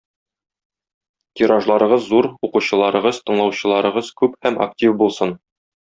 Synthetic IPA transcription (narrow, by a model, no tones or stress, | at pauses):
t̪ʲiɾaʒlˠɑɾɤ̆ʁɤzːuɾuquɕɤ̆lˠɑɾɤ̆ʁɤzt̪ɤ̆ɴlˠɑwɕɤ̆lˠɑɾɤ̆ʁɤzkʉphæma̰ktʲifbulˠsɤn